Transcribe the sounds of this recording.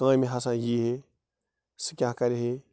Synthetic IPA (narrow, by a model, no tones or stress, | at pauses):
kãːimĩɦasãːjiːɦe | sɨ̥kʲãkɐɾiɦe